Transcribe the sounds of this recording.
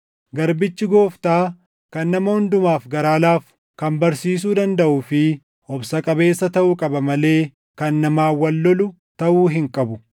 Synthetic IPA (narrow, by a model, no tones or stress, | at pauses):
ɡɐɾbɪt͡ʃːɪɡo̞ːft̪aː | kɐnːɐmɐhʊnd̪ʊmaːfɡɐɾaːlaːf | kɐmbɐɾsiːs̬uːd̪ɐnd̪ɐʔuːfɪ | ɔbsɐkʼɐbe̞ːsːɐt̪ɐʔuːkʼɐbɐmɐle̞ː | kɐnːɐmaːwɐlːɔlʊ | t̪ɐʔuːɦɪŋkʼɐbʊ